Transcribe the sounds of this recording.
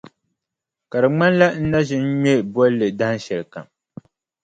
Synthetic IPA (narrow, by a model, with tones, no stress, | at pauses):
ka˨ɾɨ˨ŋ͡ma˦nla˦n̩˦na˦ʒɪ˦n̩˦ɲɛ˦˨bwɔ˦llːɨ˨da˦n˦ʃɛ˨lɨ˨ka̰˨m